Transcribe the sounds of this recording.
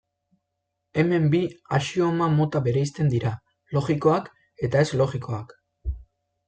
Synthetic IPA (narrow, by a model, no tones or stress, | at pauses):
e̞me̞mbiaʃio̞mamo̞t̪aβe̞ɾajst̪e̞nd̪iɾa | lo̞ɣiko̞ak | e̞t̪ae̞zlo̞ɣiko̞ak